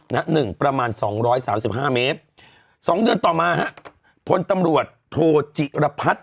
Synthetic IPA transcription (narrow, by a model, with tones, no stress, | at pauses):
na˦˥ʔnɯ˨˩ŋpɾa˧maː˧nsɔː˩˦ŋɾɔː˦˥jsaː˩˦msi˨˩p̚haː˥˩meː˦˥t̪̚ | sɔː˩˦ŋdɯ˧ənt̪ɔː˨˩maː˧ha˦˥ʔ | pʰo˧nt̪a˧mɾu˨˩ət̪ʰːoː˧t͡ɕi˨˩ɾa˧pʰa˦˥t̪̚